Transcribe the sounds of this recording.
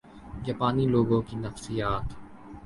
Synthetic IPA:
d͡ʒaːpaːniloːɡõkinɐfsijaːt̪

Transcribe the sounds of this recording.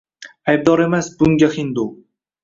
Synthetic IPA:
ajb̚d̪ɒɾe̞masbʊŋɡʲaχɪnd̪o

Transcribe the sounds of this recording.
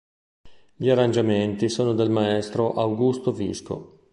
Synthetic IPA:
ʎiarand͡ʒament̪isoːnod̪elmaɛst̪ɾoʔawɡust̪ovḭsko̰

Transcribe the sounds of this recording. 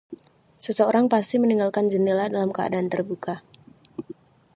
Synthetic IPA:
səsəoɾaŋpast̪iməniŋɡalkand͡ʒənəladalamkəa̰daːnt̪ərbukʰa

